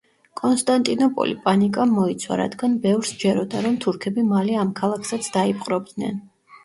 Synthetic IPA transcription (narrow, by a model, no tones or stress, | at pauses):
kʼɔnst̪ʼant̪ʼinɔpʼɔ̰lipʼanikʼamːɔit̪sʰwa̰ɾa̰d̪ɡanbɛvɾsd͡ʒɛɾɔd̪aɾɔmt̪ʰuɾkʰɛbimalɛamkʰalˠakʰsat̪sʰd̪aipʼqʼɾɔb̚d̪nɛ̰n